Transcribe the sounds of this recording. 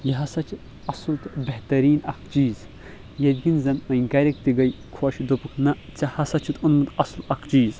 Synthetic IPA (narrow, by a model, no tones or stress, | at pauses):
jɐɦɐsɐt͡ʃʰi | ɐslt̪beht̪ɐɾiːnɐkʰt͡ʃiːz | jɐd̪ʲɡʲinzɐnmɐjɡɐɾʲek̚t̪iɡɐjkʰuɐʃid̪opɨkʰnɐt͡sɐhɐsɐt͡ʃʰit̪unmɨt̪ɐslɐkʰt͡ʃiːz